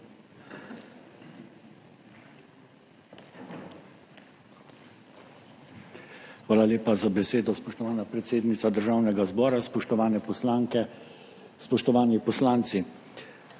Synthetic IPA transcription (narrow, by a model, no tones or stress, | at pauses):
xʋaːlaleːpazabɛseːd̪ɔspɔʃt̪ɔʋaːnapɾɛt̪seːd̪nit̪sad̪əɾʒaːwnɛɡazbɔːɾaspɔʃt̪ɔʋaːnɛpɔslaŋkɛ | spɔʃt̪ɔʋaːnipɔslaːnt̪si